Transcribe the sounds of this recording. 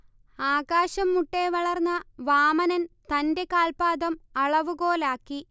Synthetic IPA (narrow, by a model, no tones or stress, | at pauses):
aːɣaːɕɐmːuʈːeʋɐɭɐrnːɐʋaːmɐnɐnt̪ɐnde̞kaːlpaːd̪ɐmɐɭɐʋuɣo̞ːlaːkːi